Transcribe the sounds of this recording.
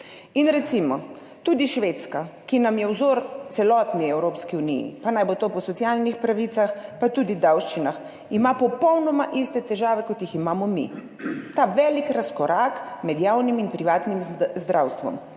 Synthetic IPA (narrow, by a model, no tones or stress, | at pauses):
inɾɛt̪simɔ | t̪uːd̪iʃʋeːt̪skakinamjɛwzoːɾt̪sɛlɔːt̪niɛwɾoːpskiunḭjḭpanajbot̪oːpɔsɔtsijalnixpɾaʋit̪saxpat̪uːd̪id̪awʃt͡ʃinax | imapɔpɔwnɔmaʔist̪ɛt̪ɛʒaːʋɛkɔt̪jiximaːmɔmḭ | t̪aʋɛːlikɾaskɔɾaːkmɛd̪jaːwniminpɾiʋaːt̪nimzd̪ɾʔawst̪ʋɔ̰m